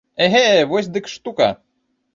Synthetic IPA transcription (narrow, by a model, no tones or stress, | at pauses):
ɛɦevɔsʲd̪ɨkʂt̪ukɐ̰